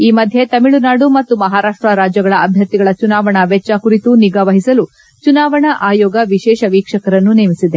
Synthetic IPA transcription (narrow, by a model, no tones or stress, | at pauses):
iːmɐd̪ʱje̞t̪ɐmiɭunaːɖumɐt̪ːumɐɦaːɾaːʂʈɾɐɾaːd͡ʒjɐɡɐɭɐʔɐbʱjɐt̪ːiɡɐɭɐt͡ʃunaːʋɐɳɐʋɛt͡ʃːaːkuɾit̪uniɡaʋɐɦisɐlu | t͡ʃunaːʋɐɳɐʔaːjɔːɡɐʋiʃɛːʃɐʋiːkʂɐkɐɾɐnːuneːmisid̪e